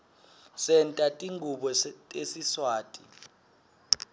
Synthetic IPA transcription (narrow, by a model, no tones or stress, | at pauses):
sɛntʼatʼiŋɡʱuɓɔesiswaːtʼḭ